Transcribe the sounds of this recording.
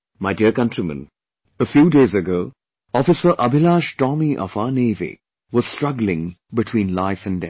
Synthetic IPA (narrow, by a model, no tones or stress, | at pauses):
maɪdiəɾkʌ̃ntɹimə̰̃n | əfjuːdeɪzɨɡoʊ | ɔfɨsə˞ʔʌbɪlaːʃtɔmiʔɔ̰faneɪvḭ | wɔz̥stɹ̥ʌɡl̩ɪ̃ŋbɪtʰw̥ĩːnlaɪfɨ̃ndɛ